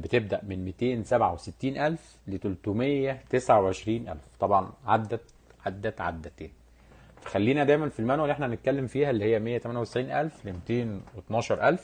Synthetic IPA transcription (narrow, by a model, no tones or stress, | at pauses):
bet̪eb̚d̪æʔmenmet̪eːnsæbʕaweset̪ːiːnʔælf | let̪olt̪umejːæt̪esʕaweʕeʃɾiːnʔæ̰lft̪ˤɑbʕɑnʕad̪ːæ | ʕad̪ːæʕa̰d̪ːæt̪eːn | fæ̥xælːiːnæd̪æjmænfilmænwælːʔeħnænet̪̚kælːemfiːhælːihejːæmejːæt̪æmænjæwt̪e̥sʕiːnʔælflemet̪eːnwet̪nɑːʃɑɾˤʔælf